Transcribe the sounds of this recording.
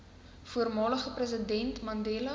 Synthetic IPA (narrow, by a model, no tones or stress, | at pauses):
fuərmɑːləχəprəz̬ədɛntmɐndeːlɐ